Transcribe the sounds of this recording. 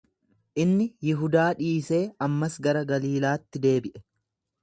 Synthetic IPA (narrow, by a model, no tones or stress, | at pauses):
ʔɪnːɪjɪɦʊd̪aːᶑiːse̞ːɐmːɐsɡɐɾɐɡɐliːlaːt̪ːɪd̪e̞ːbɪʔɛ